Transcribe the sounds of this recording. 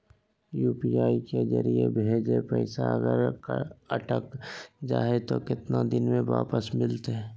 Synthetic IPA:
juːpiaːiked͡ʒə̰ɾiebʱeːd͡ʒepɛɪsaəɡəɾkəʈəkd͡ʒaːet̪okɪt̪nad̪ɪnmẽʋa̰ːpəsmɪlt̪eɦɛ

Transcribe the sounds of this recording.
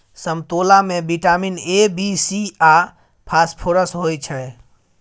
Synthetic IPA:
səmt̪olamebiʈaminebisia | pʰaspʰoɾəsɦojt͡ʃʰɛ

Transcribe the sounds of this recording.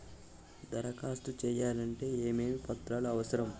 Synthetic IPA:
d̪ɐɾɐkaːst̪ut͡ʃɛːjaːlɐɳʈe̞ːeːme̞ːmipɐt̪ɾaːluɐʋɐsɐɾɐm

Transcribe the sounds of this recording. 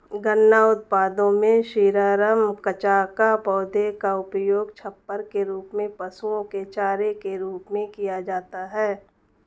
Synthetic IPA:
ɡənːaʊt̪̚paːd̪õmẽʃiːɾaːɾəmkət͡ʃaːkapɔːd̪ʱekaʊpjoːɡt͡ʃʰɐpːəɾkeɾuːpmẽpəsuõket͡ʃaːɾekeɾuːpmẽkijad͡ʒaːt̪aɦɛː

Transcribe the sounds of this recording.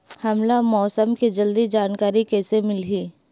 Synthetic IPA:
hɐmlamɔːsəmkid͡ʒɐld̪id͡ʒaːnkaːɾikɛːsemɪlɦiː

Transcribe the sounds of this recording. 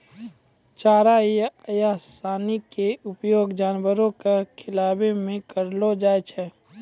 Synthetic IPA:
t͡ʃaːɾaijjaːsaːnikeʊpjoːɡd͡ʒaːnwəɾõkekʰɪlaːbemẽkəɾlod͡ʒaːet͡ʃʰɛ

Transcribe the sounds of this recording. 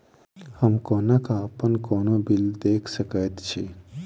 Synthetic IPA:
həmkoːnakaːpənkoːnobild̪eːkʰsəkət̪t͡ʃʰi

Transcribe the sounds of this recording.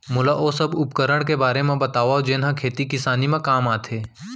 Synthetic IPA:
mʊlaʔosɐbʊpkəɾəɽ̃k̬ebaːɾemẽbɐt̪aːʋaod͡ʒeːnɦãkʰeːt̪ikɪsaːnimẽkaːmaːt̪ʰeː

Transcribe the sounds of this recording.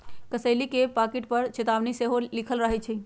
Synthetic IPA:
kəsəɪlikepakiʈpəɾt͡ʃet̪aʋniseɦolikʰəlɾəɦɛt͡ʃʰɛ

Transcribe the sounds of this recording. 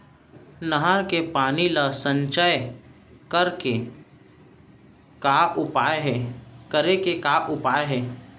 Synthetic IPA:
nəɦaɾkepaːnilasə̃ɲt͡ʃəj | kəɾke | kaʔʊpaːeɦkəɾekekaʔʊpaːeɦɛː

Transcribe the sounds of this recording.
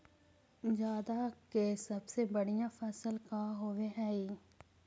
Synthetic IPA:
d͡ʒjaːd̪akesɐbsebɐɽijãfɛːsəlkaɦoʋeɦɛːi

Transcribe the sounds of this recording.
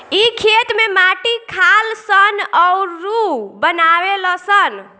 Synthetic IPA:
ikʰet̪memaʈikʰalsənɔuɾɾubənaweləsən

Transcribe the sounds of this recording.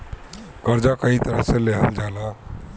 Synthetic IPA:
kəɾd͡ʒakəɦit̪əɾəɦsẽleɦə̰ld͡ʒala

